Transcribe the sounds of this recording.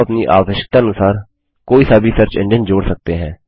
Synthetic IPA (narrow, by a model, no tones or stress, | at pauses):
əpniːʔa̰ːʋɪʃə̥k̚t̪aːənʊsaːɾ | koːiːsaːbiːsəɾt͡ʃɛ̰̃ɳd͡ʒənd͡ʒoːɽsək̚t̪eːɦɛ̃ː